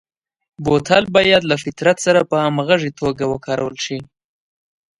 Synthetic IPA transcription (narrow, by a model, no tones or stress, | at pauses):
bot̪ʰɑlbɑjad̪lafɪt̪ɾat̪saɾapəamɣaʐit̪ʰoɡawəkʰɑɾawəlʃi